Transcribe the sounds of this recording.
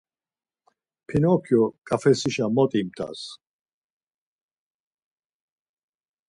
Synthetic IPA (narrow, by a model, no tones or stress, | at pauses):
pʰinɔkʰjɔkʼafɛsiʃamɔt̪ʼimt̪ʰʼa̰s